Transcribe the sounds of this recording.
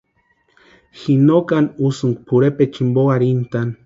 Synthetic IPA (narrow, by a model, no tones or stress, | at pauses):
xinokanusuŋkpʰuɾepet͡ʃimboaɾint̪an